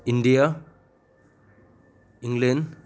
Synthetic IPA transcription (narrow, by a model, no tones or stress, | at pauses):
inɖija | iŋɡlen